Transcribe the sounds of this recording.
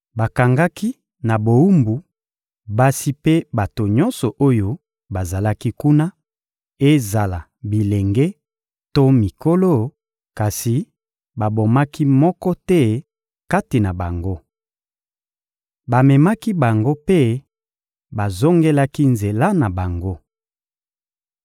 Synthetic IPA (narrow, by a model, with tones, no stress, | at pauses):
ba˨ka˨ŋɡa˦ki˦ | na˨bo˨u˦mbu˨ | ba˦si˦pe˦ba˨to˨ɲɔ˦nsɔ˨ʔo˦jo˦ | ba˨za˨la˦ki˦ku˦na˦ | e˦za˨la˨ | bi˨le˨ŋɡɛ˦ | to˦mi˨ko˦lo˦ | ka˨si˨ | ba˨bo˨ma˦ki˦mɔ˦kɔ˦tɛ˦ | ka˦ti˨na˨ba˨ŋɡo˦ | ba˨mɛ˨ma˦ki˦ba˨ŋɡo˦pe˦ | ba˨zo˦ŋɡe˦la˦ki˦nze˨la˦na˨ba˨ŋɡo˦